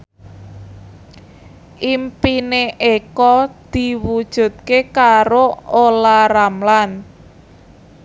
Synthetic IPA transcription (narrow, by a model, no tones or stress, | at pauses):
ʔimpineʔekɔd̪̥i̤wud̥ʒ̥ṳt̪̚kekaɾoolaɾamlan